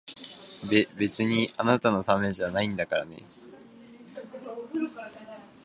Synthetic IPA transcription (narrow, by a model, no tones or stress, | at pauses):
bebe̞t͡sɨɲ̟ianat̪ano̞t̪ame̞ʑanaĩnd̪akaɾa̰ne̞̰